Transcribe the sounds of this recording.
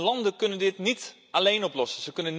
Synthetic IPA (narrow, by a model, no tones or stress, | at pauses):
lɑndəkønəndɪtnit | alejnɔplɔsəsəkønən